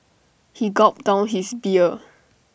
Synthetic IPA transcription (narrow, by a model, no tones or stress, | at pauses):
hiɡɔp̚d̥ãʊ̃nɦisbiə